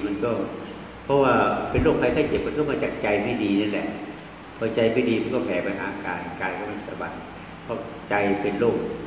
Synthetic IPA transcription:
ma˧nkɔː˥˩ | pʰɔ˦˥waː˥˩pe˧nloː˥˩kpʰa˧jt̪ʰaː˥˩t͡ɕe˨˩p̚ma˧nkʰɔ˥˩maː˧t͡ɕaː˨˩k̚t͡ɕa˧jmʰa˥˩diː˧na˥˩nlɛ̰˨˩˨ʔ | pʰɔː˧˩t͡ɕa˧jmʰa˥˩˨diː˧ma˧nkɔː˥˩pʰɛː˨˦pa˧nʔa̰ː˨˧ʔka̰ː˨˩t̪̚kaː˧nkɔː˥˩ma˥˩sa̰˧˦ba˧tn̚ | pʰɔ˦˧˥ | t͡ɕa˧jpe˧nloː˥˩k̚

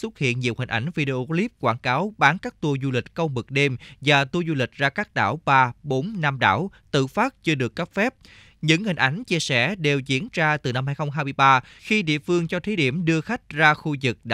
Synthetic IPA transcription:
swə˦˥t̚hḭ˧˨ənɲḭ˨əwhï̟˨˩ʔa˨˩jŋ̟vi˧ɗe˧ʔo˧li˦˥p̚kwaː˧˩nkaː˨˦wɓaː˨˦nkaː˦˥k̚t̪u˧əzu˧lï˨˩k̟̚kə˧wmɨ˨˩k̚ɗe˧mvaː˨˩t̪u˧zu˧lï˨˩k̟̚zaː˧kaː˦˥k̚ɗa̰ː˧˩wɓaː˧ɓo˨˦nna˧mɗa̰ː˧˩wt̪ɨ̰˧˨faː˦˥t̚t͡ɕɨ˧əɗɨ˨˩əkːə˦˥p̚fɛ˦˥p̚ | ɲɨ̰˧˥ŋhï˨˩ŋ̟ʔa˨˦jŋ̟t͡ɕi˧əsɛ̰˧˩ɗe˨˩wzḭ˧˥ənt͡ɕaː˧t̪ɨ˨˩na˧mhɦaː˧jxə˧wŋ͡mɦaː˧jmɨ˧əjɓaː˧xi˧ɗḭ˧˨əfɨ˧əŋt͡ɕɔ˧t̪ʰe˨˦i˧˩əmɗɨ˧əxa˦˥jk̟̚zaː˧xu˧zɨ˨˩k̚ɗ

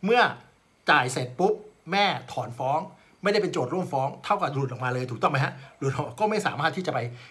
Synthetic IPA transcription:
mɯ˥˩ɐ | t͡ɕaː˨˩jse˨˩t̪̚pu˦˥p̚mɛː˥˩t̪ʰɔː˩˦nfɔː˦˥ŋ | ma˥˩jda˥˩pe˧nt͡ɕoː˨˩t̪̚ɾu˥˩əmfɔː˦˥ŋt̪ʰa˥˩wka˨˩d̪lu˨˩ʔkmaː˧lɤː˧jt̪ʰuː˨˩kt̪ɔ˥˩ma˦jɦa˦˥ʔlu˨˩t̪̚ʰɔ˨˩kɔː˥˩ma˥˩jsaː˩˦maː˥˩t̪ʰiː˥˩t͡ɕa˨˩pa˧j

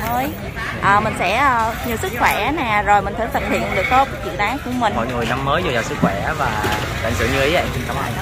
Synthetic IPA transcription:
məː˨˦j | ʔəː˨˩mï˨˩ŋ̟sɛ̰˧˥ʔəː˨˩ɲi˨˩sɨ˦˥k̚xwɛ˧˩ʔa˨˦nɛː˨˩zo˨˩jmï̟˨˩t̪ʰə˧˩jt̪ʰə˨˩t̚hḭ˧˨ənɗɨ˨˩ək̚t̪o˦˥t̚t͡ɕḭ˧˨ɗaː˨˦jku˧˩əmï˨˩ŋmɔ̰˧˨jŋɨ˨˩əjna˧mməː˨˦jzo˧˩zaː˨˩sɨ˦˥k̚xwɛ˧˩aː˨˦vaː˨˩ | t̪a̰˧˨˩ŋ̟sɨ̰˧˩ɲɨ˧ʔə˨˦jɛ˧mt͡ɕi˧ŋt͡ɕa˨˦wla̰ː˧˨j

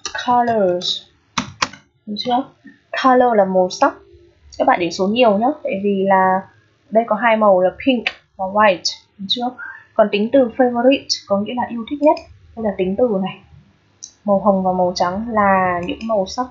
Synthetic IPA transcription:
kʰa˧ləː˧˨˩z | t͡ɕɨ˨˧˥ə˧ | kʰa˧ləː˧laː˨˩mo˨˩sa˦˥wk͡p̚ | kaː˦˥k̚ɓa̰ː˧˨ɗe˧˩so˨˦nɲi˨˩əwɲaː˨˦t̪ʰa̰ː˧˨vi˨˩laː˨˩ | ɗə˧jkɔ˨˦ɦaː˧jmə˨˩wlə˨˩p̚hi˧ŋk | vaː˨˩waː˧jt | t͡ɕɨ˧˥ək̚kɔ˨˩nt̪ï˨˦ŋ̟t̪ɨ˨˩fe˧vo˧ɾi˦˥tkɔ˨˦ŋḭ˧˥laː˨˩ʔi˧əwt̪ʰi˦˥k̚ɲə˦˥t̚ɗə˧jlaː˨˩t̪ï˨˦ŋ̟t̪ɨ˨˩na˨˩j | mə˨˩wɦə˨˩wŋ͡mvaː˨˩wmə˨˩wt͡ɕa˨˦ŋlaː˨˩ɲɨ̰˧˥ŋmə˨˩wsa˦˥wk͡p̚

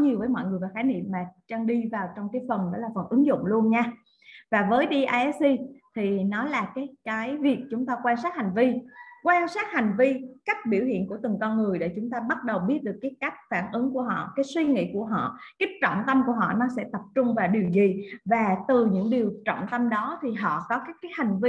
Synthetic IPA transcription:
ɲi˨˩əwvəː˨˦jmɔ̰˧˨jŋɨ˨˩əjvaː˨˩xaː˨˦nḭ˧˨mːaː˨˩t͡ɕa˧ŋɗi˧vaː˨˩wt͡ɕɔ˧wŋ͡mkaː˨˦jfə˨˩nɗɔ̰˨˦laː˨˩fə˨˩nʔɨ˨˦ŋzʊ̰˧˨ŋ͡mlu˧ənɲaː˧ | vaː˨˩vəː˨˦jɗi˧ʔaː˧ʔɛ˦˥si˧t̪ʰi˨˩nɔ˨˦laː˨˩kaː˨˦jkaː˨˦jvi˨˩ək̚t͡ɕʊ˨˦ŋ͡mt̪aː˧kwaː˧nsaː˦˥t̚ha˨˩jŋ̟vi˧kwaː˧nsaː˦˥t̚ha˨˩jŋ̟vi˧ka˦˥jk̟̚ɓḭ˧˩əwhḭ˧˨ənku˧˩ət̪ɨ˨˩ŋkɔ˧nŋɨ˨˩əjɗḛ˧˩t͡ɕʊ˨˦ŋ͡mt̪aː˧ɓə˦˥t̚ɗə˨˩wɓi˦˥ət̚ɗɨ˨˩əkːaː˨˦jka˦˥jk̟̚faː˧˩nʔɨ˨˦ŋku˧˩əɦɔ̰˧˨kaː˨˦jswi˧ŋḭ˧˨ku˧˩əɦɔ̰˧˨kaː˨˦˥j̚t͡ɕɔ̰˧˨nt̪ə˧mku˧˩əɦɔ̰˧˨nɔ˨˦sɛ̰˧˥t̪ə˨˩p̚t͡ɕʊ˧ŋ͡mvaː˨˩ɗi˨˩əwzi˨˩vaː˨˩t̪ɨ˨˩ɲɨ̰˧˥ŋɗi˨˩əwt͡ɕɔ̰˧˨nt̪ə˧mɗɔ˨˦t̪ʰi˨˩ɦɔ̰˧˨kɔ˨˦kaː˨˦˥kaː˨˦jha˨˩jŋ̟vi˧

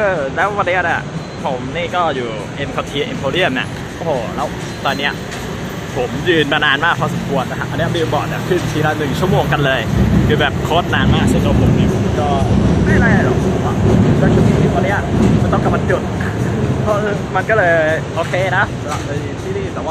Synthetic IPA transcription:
ʔɤː˧˩lɛː˦˥wwa˧nːi˦˥ɐna˨˩ | pʰo˨˩˦mniː˥˩kɔː˥˩juː˨˩ | ʔe˧mkʰa˧t̪ʰi˧ʔe˧mpʰoː˧li˦˥˩əmna̰˨˩ | ʔoː˧hoː˧˩lɛː˦˥w | t̪ɔː˧nːi˦˥ɐ | pʰo˩˦mjɯː˧nmaː˧naː˧nmaː˥˩k̚pʰɔː˧sa˨˦mkʰu˧˩ət̪̚na˧˦kʰa˦˥ʔa˧nːi˦˥˩miː˧˩bɔ̰ː˨˩t̪̚na˧˩kʰɯ˥˩ntʰiː˧˩la˦˥nɯ˨˩ŋt͡ɕʰu˥˩moː˧ŋka˧nlɤː˧jkʰɯː˧˩bɛː˨˩p̚kʰo˦˥t̪̚naː˧nmaː˥˩k̚sɯ˥˩˨k̪ɔ˧˥˩pʰo˨˩˦mniː˥˩pʰo˩˦mkɔː˥˩ha˥˩jlaː˥˩ja˧˩lɔ˨˩˧a˨˩˧ɔː˧˩t͡ɕʰu˧˩t̪ʰiː˧˩t̪ʰiː˥˩pɔː˧li˦˥ɐː˨˧˥jt̪ɔ˥˩ka˨˩ma˧nt͡ɕo˨˩t̪̚pʰɔ˦˥ʔɤː˧˩ma˧nkɔː˥˩lɤː˧jʔoː˧kʰeː˧na˦˥sa˧la˨˩p̚lɤː˧jt̪ʰiː˥˩niː˥˩t̪ɛː˨˩waː˥˩

